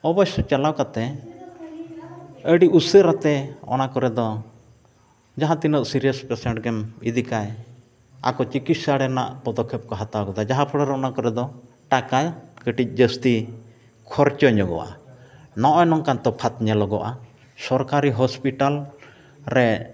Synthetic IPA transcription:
ɔbɔsɔt͡ʃalawkat̪ɛ | əɖiusəɾat̪ɛɔ̰nakɔɾɛd̪ɔ | d͡ʒaɦãt̪inəʔsiɾijəspɛsɛɳʈɡɛmid̪ikaj | a̰kɔt͡ʃikit̪saɽɛna̰ʔpɔd̪ɔkʰːɛp̚kɔɦat̪awkɔt̪ad͡ʒaɦãpʰɔɽɔɾɛɔnakɔɾɛd̪ɔ | ʈakakəʈic̚ˀd͡ʒəst̪i | kʰɔɾt͡ʃɔɲɔɡɔ̰ʔa̰nɔʔɔjnɔŋkant̪ɔpʰat̪ɲɛlɔɡɔ̰ʔa | sɔɾkaɾiɦɔspiʈal | ɾɛ

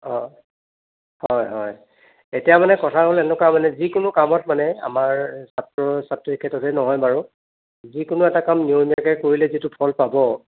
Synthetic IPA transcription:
ɔ̃ | hɔjɦɔj | etijamanɛkɔtʰaɦolɛnʊkamanɛzikʊnʊkamɔt̚manɛa̰maɹsatɹɔsatɹɔikʰːɛtɔtʰenɔɦɔjmaɹʊ | zikʊnʊɛtakamniomijakɛkoɹilɛzitʊpʰɔlpabɔ

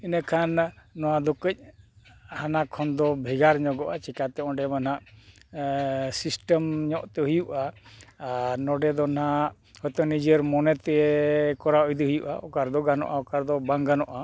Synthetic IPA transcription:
inəkʰanːɔwad̪ɔkəc̚ˀ | hanakʰɔnd̪ɔbʱiɡaɾɲɔɡɔʔat͡ʃikat̪ɛɔ̃ɖɛmanaʔ | sisʈəmɲɔʔt̪ɛɦujuʔa | nɔɖɛd̪ɔn̤aʔ | hɔjt̪ɔnid͡ʒəɾmɔnɛt̪ɛkɔɾaɔjd̪iɦujuʔaɔkaɾd̪ɔɡanɔ̰ʔaɔkaɾd̪ɔbaŋɡanɔʔa

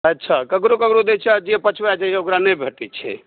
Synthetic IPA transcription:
ətːt͡ʃʰakəkɾokəkɾod̪et͡ʃʰɛad͡ʒiɛpət͡ʃʰʋɛad͡ʒaseokɾanɛjbʱəʈɛt͡ʃʰɛ̰

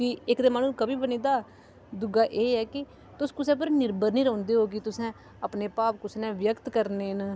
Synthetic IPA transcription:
kiɪkd̪eːmaːnũːkəbiːbəniːd̪aː | d̪ʊɡaːʔeːɛːkɪ | t̪ʊskʊsɛ̃ːpəɾnɪɾbəɾniːɾɔ̃ːnd̪eːɦoːk̬ɪt̪ʊsɛ̃ː | əpneːpaːp̚kʊsnɛ̃ːʋjəkt̪kəɾneːn

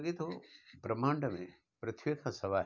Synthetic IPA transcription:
ɡet̪obɾɐmaːɳɖɐmḛ̃ | pɾɐt̪ʰʋekʰãsɐʋaː

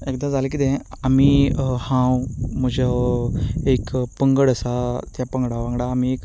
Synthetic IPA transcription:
ekd̪ad͡zalekit̪ɛ̃amihãwm̤əd͡ʑə | ekpəŋɡəɽəsat̪japəŋɡɽaʋãŋɡɽaːmiek

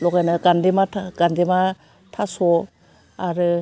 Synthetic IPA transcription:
lɔkajnaɡandemaaɡ̥andema | tʰasɔ | aɾɯ

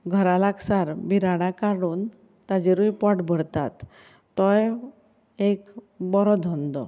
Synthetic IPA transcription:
ɡʱəɾalaksaɾbiɾaɽakaɽuːn | t̪ad͡ʑeɾujpɔʈbʱəɽt̪at̪ː | ɔj | ek | bɔɾɔd̪ʱɔnd̪ɔ

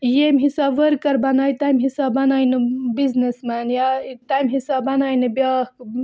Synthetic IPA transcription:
jemɦisabʋəɾkːəɾbɐnajt̪ajmɦisabbɐnajnɨbiznesmanjat̪ajmɦisabbɐnajnɨbjak

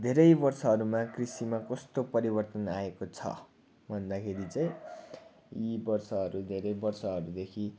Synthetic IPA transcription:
d̪ʱeɾʌjbʌrsʌɦʌɾumakrisimakʌst̪opʌɾibʌrt̪ʌnaekot͡sʰʌ̰ | bʱʌnd̪akʰeɾit͡sãĩ | ibʌrsʌɦʌɾud̪ʱeɾʌjbʌrsʌɦʌɾud̪ekʰi

